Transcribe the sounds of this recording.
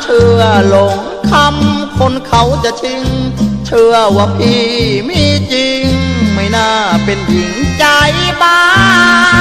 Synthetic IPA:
t͡ɕʰɯ˧ɐlo˨˧˦ŋ | kʰa˧mkʰo˧˥nkʰa˧˩wt͡ɕa˧˩t͡ɕʰi˧ŋt͡ɕʰɯ˧ɐwaː˧˩pʰiː˧miː˧˥t͡ɕi˧ŋma˧˩jnaː˧˩pe˧nji˨˦ŋt͡ɕa˧jbaː˧

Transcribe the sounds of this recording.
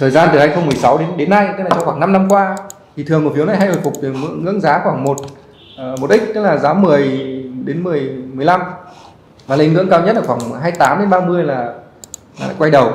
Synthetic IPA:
t̪ʰəː˨˩jzaː˧nt̪ɨ˨˩haː˧jxə˧wŋ͡mmɨ˨˩əjsa˨˦wɗe˨˦ɗe˨˦nːa˧j̪ə˦˥laː˨˩t͡ɕɔ˧xwaː˧˩ŋna˧mna˧mkwaː˧t̪ʰi˨˩t̪ʰɨ˨˩əŋmo˨˩fi˨˦əna˨˩jɦa˧jho̰˨˩fʊ˨˩k͡p̚t̪ɨ˨˩mɨ̰˧˥əŋɨ̰˧˥əŋzaː˨˦xwaː˧˩ŋmo˨˩t̚ | ʔmo˨˩t̚ʔï˦˥k̟̚t̪ɨ˦˥laː˨˩zaː˨˦mɨ˨˩əjɗe˨˦nmɨ˨˩əjm˨˩əjla˧m | vaː˨˩lə˧nŋɨ̰˧˥əŋkaː˧wɲə˦˥t̚ʔəː˧˩xwaː˧˩ŋ˩ɦaː˧jt̪aː˨˦mɗe˨˦nɓaː˧mɨ˧əjlaː˨˩ | la̰ː˨˩˧kwa˧jɗə˨˩w

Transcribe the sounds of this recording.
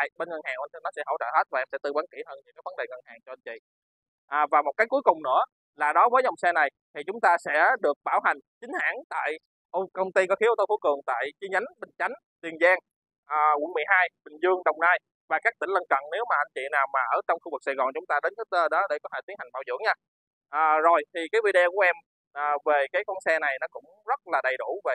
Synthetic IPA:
a˧˨jɓe˧nŋə˨˩haː˨˩ŋʔa˧n˧nɔ˨˦sɛ̰˧˥ɦə̰˧˩wt͡ɕə̰ː˧˨˩ɦe˦˥t̚vaː˨˩ʔɛ˧msɛ̰˧˥t̪ɨ˧˩ɓwaː˨˦nki˧˩həː˧nɲɨ̰˧˥ŋkaː˨˦jvə˨˦nɗe˨˩ŋə˨˩nhaː˨˩ŋt͡ɕɔ˧ʔa˧nt͡ɕḭ˧˨ | ʔaː˨˩vaː˨˩mo˨˩t̚kaː˨˦jku˨˦jkʊ˨˩ŋ͡mnɨ̰˧˥ə | laː˨˩ɗɔ˨˦vəː˨˦jzɔ˨˩wŋ͡msɛ˧na˨˩j | t̪ʰi˨˩t͡ɕʊ˨˦ŋ͡mt̪aː˧sɛ̰˧˥ɗɨ˨˩ək̚ɓaː˧˩wɦa˨˩jŋ̟t͡ɕï˨˦ŋ̟ha̰ː˧˥ŋt̪a̰ː˧˨j | ʔo˧kə˧wŋ͡mt̪i˧kɔ˨˦˥xi˨˦ʔo˧t̪o˧fu˧˦jkɨ˨˩əŋt̪a̰ː˧˨jt͡ɕi˧ɲa˨˦jŋɓï˨˩ŋ̟t͡ɕa˨˦jŋ̟ | t̪wi˨˩ənzaː˧ŋ | ʔəː˨˩w̰əŋmɨ˨˩əjɦaː˧jɓï˨˩ŋ̟zɨ˧əŋɗə˨˩wŋ͡mnaː˧j | vaː˨˩kaː˦˥k̚t̪ï˧˩ŋ̟lə˧nkə̰˧˨nne˨˦wmaː˨˩ʔa˧ŋt͡ɕḭ˧˨naː˨˩wmaː˨˩ʔəː˧˩t͡ɕɔ˧wŋ͡mxu˧vɨ˨˩k̚sa̰˧˩jɣɔ̰˨˩nt͡ɕʊ˨˦ŋ͡mt̪aː˧ɗe˨˦nkaː˨˦t̪ə˧ɗɔ˨˦ɗe˧˩kɔ˨˦tʰe˧˩i˨˦ŋha˨˩ŋɓa̰˧˩wzɨ̰˧˥əŋɲaː˧ | ʔaː˨˩zo˨˩jt̪ʰi˨˩kaː˨˦jvḭ˧ɗe˧ku˧˩əʔɛ˧m | ʔːve˨˩kaː˨˦jkɔ˧nsɛ˧na˨˩jnɔ˨˦kʊ̰˧˥ŋ͡mzə˦˥t̚laː˨˩ɗə˨˩jɗu˧˩ve˨˩

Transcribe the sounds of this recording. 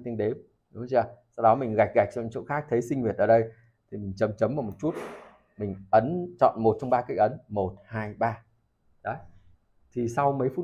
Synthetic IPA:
t̪i˧ŋɗe˨˦m | ɗʊ˨˦zaː˧˩sa˧wɗɔ˨˦mï˨˩ŋ̟ɣa˨˩k̚ɣa˨˩k̚t͡ɕɔ˧˨˧t͡ɕo̰˧˥˨xaː˦˥k̚t̪ʰe˨˦sï˧ŋ̟hwi˨˩ət̚ʔəː˨˩ɗə˧j | t̪ʰi˨˩mï˨˩ŋ̟t͡ɕə˨˦mt͡ɕə˨˦mvaː˨˩wmo˨˩t̚t͡ɕu˦˥t̚ | mï˨˩ŋ̟ʔə˨˦nt͡ɕɔ̰˧˨nmo˨˩t̚t͡ɕɔ˧wŋ͡mɓaː˧ka˧˥j̚ʔə˨˦nmo˨˩t̚haː˧jɓaː˧ | ɗə˨˦ | t̪ʰi˨˩sa˧wmə˨˦jfu˦˥

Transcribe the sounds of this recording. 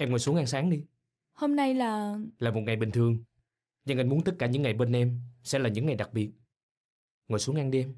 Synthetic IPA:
ʔɛ˧mŋɔ˨˩jsu˨˦əŋʔa˧nsaː˨˦ŋɗi˧ | ho˧mna˧jlaː˨˩laː˨˩mo˨˩t̚ŋa˨˩jɓï˨˩ŋt̪ʰɨ˨˩əŋ | ɲa˧ŋʔa˧ŋmu˨˦nt̪ə˦˥t̚kaː˧˩ɲɨ̰˧˥ŋːa˨˩jɓe˧nʔɛ˧msɛ̰˧˥laː˨˩ɲɨ̰˧˥ŋːa˨˩jɗa˨˩k̚ɓi˨˩ət̚ | ŋɔ˨˩jsu˨˦əŋʔa˧nɗi˧ʔɛ˧m

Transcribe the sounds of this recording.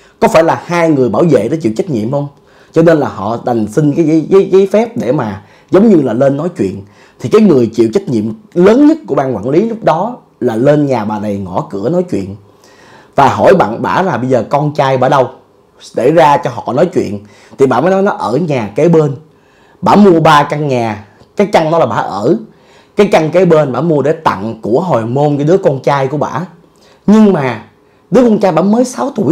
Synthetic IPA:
kɔ˨˦faː˧˩jlaː˨˩haː˧jŋɨ˨˩əjɓaː˧˩wvḛ˧˨ɗɔ˨˦t͡ɕḭ˧˨wt͡ɕa˦˥k̟̚ɲḭ˧˨əmhə˧wŋ͡m | t͡ɕɔ˧ne˧nlaː˨˩ɦɔ̰˧˨ɗa˨˩jŋ̟sï˧ŋkaː˨˦jzə˨˦jzə˨˦jzəː˨˦fɛ˦˥p̚ɗe˧˩maː˨˩ | zə˨˦wŋ͡mɲɨ˧laː˨˩le˧nːɔ˨˦jt͡ɕwḭ˧˨ən | t̪ʰi˨˩kaː˨˦jŋɨ˨˩əjt͡ɕḭ˧˨əwt͡ɕa˦˥k̟̚ɲḭ˧˨əmləː˨˦nɲə˦˥t̚ku˧˩əɓaː˧kwa̰ː˧˨nli˨˦lʊ˦˥k͡p̚ɗɔ˨˦ | laː˨˩le˧nɲaː˨˩ɓaː˨˩nə˨˩jŋɔ˧˩kɨ˧˩ənɔ˨˦jt͡ɕwḭ˧˨ən | vaː˨˩ɦɔ˧˩jɓa̰ː˧˨nɓa̰ː˧˩laː˨˩ɓə˧jzəː˨˩kɔ˧nt͡ɕaː˧jɓa̰ː˧˩ɗə˧w | sḛ˧˩zaː˧t͡ɕɔ˧ɦɔ̰˧˨nɔ˨˦jt͡ɕwḭ˧˨ən | t̪ʰi˨˩ɓa̰ː˧˩məː˨˦nɔ˨˦jnɔ˨˦ʔəː˧˩ɲaː˨˩ke˨˦ɓe˧n | ɓa̰ː˧˥mu˧əɓaː˧ka˧ŋɲaː˨˩ | kaː˨˦jt͡ɕa˧ŋnɔ˨˦laː˨˩ɓa̰ː˧˩˦ʔəː˧˩ | kaː˨˦jka˧ŋke˨˦ɓe˧nɓaː˧˥mu˧əɗe˧˩t̪a̰˧˨ŋku˧˩əɦo˨˩jmo˧nkaː˨˦ɗɨ˨˦əkɔ˧nt͡ɕaː˧jku˧˩əɓa̰ː˧˨ | ɲɨ˧ŋmaː˨˩ | ɗɨ˨˦əkɔ˧nt͡ɕaː˧jɓa̰ː˧˥məː˨˦jsaː˨˦wt̪ṵ˧˩

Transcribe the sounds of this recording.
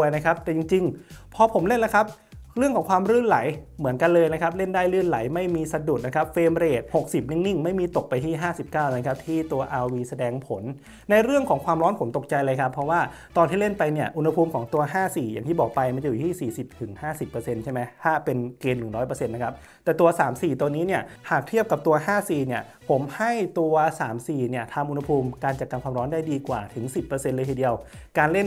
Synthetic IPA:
jna˦˥kʰa˦˥p̚t̪ɛː˨˩t͡ɕi˧ŋt͡ɕi˧ŋpʰɔː˧pʰo˩˦mle˥˩nla˦˥kʰa˦˥p̚ | ɾɯ˥˩ŋʰkɔː˩˦ŋkʰwaː˧mɾɯː˥˩nla˩˦j | mɯ˩˦ənka˧nlɤː˧jna˦˥kʰa˦˥p̚le˥˩ndaː˥˩jɾɯː˥˩nla˩˦jma˥˩jmiː˧sa˧du˨˩t̪̚na˦˥kʰa˦˥p̚feː˧mɾeː˨˩t̪̚ho˨˩k̚si˨˩p̚ni˦˥˩ŋni˥˩ŋma˥˩jmiː˧t̪o˨˩k̚pa˧jt̪ʰiː˥˩ɦaː˥˩si˨˩p̚kaː˥˩wna˧˦kʰa˦˥p̚t̪ʰiː˥˩t̪u˧ɐʔaː˧wiː˧sa˧dɛː˧ŋpʰo˩˦nː | a˧jɾɯ˥˩əŋkʰɔː˩˦ŋkʰwaː˧mɾɔː˦˥npʰo˩˦mt̪o˨˩k̚t͡ɕa˧jlɤː˧jkʰa˦˥pʰːɾɔ˦˥waː˥˩ | t̪ɔː˧t̪ʰiː˥˩le˥˩npa˧jni˥˩ɐʔu˧nha˧pʰuː˧mkʰɔː˩˦ŋt̪u˧ɐɦaː˥˩siː˨˩ja̰ː˨˩ŋt̪ʰiː˥˩bɔː˨˩k̚pa˧jma˧nt͡ɕa˧juː˨˩t̪ʰiː˥˩siː˨˩si˨˩p̚t̪ʰɯ˩˦ŋhaː˥˩si˨˩pːɤː˧se˧nt͡ɕʰa˥˩jma˦˥jhaː˥˩pe˧nkeː˧nːɯ˨˩ŋɾɔː˦˥jpɤ˧se˧nːa˦˥kʰa˦˥p̚ | t̪ɛː˨˩t̪u˧ɐsaː˩˦msiː˨˩t̪uː˧niː˦˥ni˥˩ɐhaː˨˩k̚t̪ʰi˥˩əp̚ka˨˩p̚t̪u˧ɐhaː˥˩siː˨˩ni˥˩ɐ | pʰo˩˦mha˥˩jt̪u˧ɐsaː˩˦msiː˨˩ni˥˩ɐt̪ʰa˧mʔu˧nha˧pʰuː˧mkaː˧nt͡ɕa˨˩kaː˧nkʰwaː˧mɾɔː˦˥ndaː˥˩jdiː˧kwaː˨˩t̪ʰɯ˩˦ŋsi˨˩pːɤː˧se˧nlɤː˧jt̪ʰiː˨˧˩di˧əwkaː˧nle˥˩n

